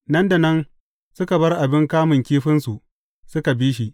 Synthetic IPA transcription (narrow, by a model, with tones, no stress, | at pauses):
nɐ˦nda˨nɐ˦n | sʊ˦ka˨bɐ˦rʔa˨bɪ˦ŋkaː˦mɪ˨ŋkʲiː˦ɸɪ˦nsu˨ʔ | sʊ˦ka˨biː˦ʃ̬i˦